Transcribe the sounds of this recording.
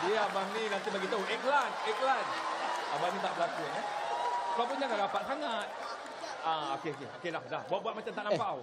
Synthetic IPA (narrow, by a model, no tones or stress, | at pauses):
diabahnĩnãnt̪ihbaɡit̪aɛklanɛklanabahnĩt̪aʔbəlakunəsapaʔp̬unɲãkaɾapaʔsaŋat̪̚ | aokeokeokelahlahbuat̪̚buat̪̚mat͡ʃamt̪aʔnampaʔaw